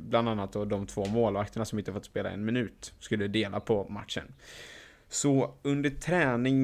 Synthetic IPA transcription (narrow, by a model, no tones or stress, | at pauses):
bland̪anːat̪̚d̪ɔd̪ɔmt̪ʰv̥oːmoːlvak̚t̪əɳasɔmɪnt̪əhafɔt̪speːla̰ɛ̰nmɪnʉ̟ːt̪skɵlːəd̪eːlapʰɔma̰t̪ʂə̰n | sɔɵnd̪əʈʰɾɛːnɪŋ